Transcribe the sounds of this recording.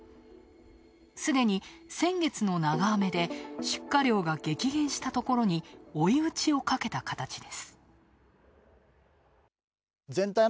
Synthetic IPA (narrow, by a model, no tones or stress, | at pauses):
sɨd̪e̞ɲ̟isẽ̞ŋɡe̞t͡sɨno̞naɡaːme̞d̪e̞ɕɨ̥kːaɾʲo̞ːɡaɡe̞kʲiɡẽ̞ɰ̃ɕi̥t̪at̪o̞ko̞ɾo̞ɲ̟io̞iɯ̟t͡ɕio̞kake̞t̪akat̪at͡ɕid̪e̞sɨ̥ | zẽ̞nt̪a